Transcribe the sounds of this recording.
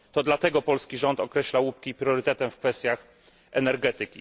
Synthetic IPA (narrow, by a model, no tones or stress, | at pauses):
t̪ɔd̪lat̪ɛɡɔpɔlskʲiʐɔnt̪ɔkɾɛɕlawup̚kʲipɾjɔɾɘt̪ɛt̪ɛmfkfɛst̪ʲjax | ʔɛnɛɾɡɛt̪ɘkʲi